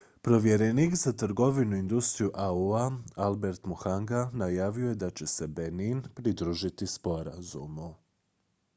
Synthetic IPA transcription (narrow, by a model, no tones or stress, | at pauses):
pɾo̞ʋje̞ɾeniːkzat̪ɾɡo̞ʋinuind̪ust̪ɾijuʔauaalˠbe̞ɾt̪muxaŋɡanajaːʋio̞je̞d̪at͡ɕe̞se̞beninpɾid̪ɾuːʒit̪ispo̞ɾa̰zṵmu